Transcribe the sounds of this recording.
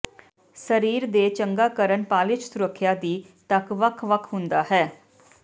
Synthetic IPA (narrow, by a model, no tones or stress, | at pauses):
səɾiːɾd̪eːt͡ʃəŋɡaːkəɾənpaːlɪt͡ʃsʊɾəkʰːjaːd̪iː | t̪əkʋəkʰʋəkʰɦʊ̃nd̪aːɦɛː